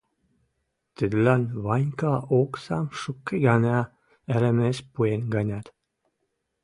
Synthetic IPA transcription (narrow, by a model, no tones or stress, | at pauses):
t̪əd̪lɑnβɑnʲkɑʔoksɑmʃukːeɡɑnɑ | ə̆ɾə̆mespuenɡɑnʲɑt̪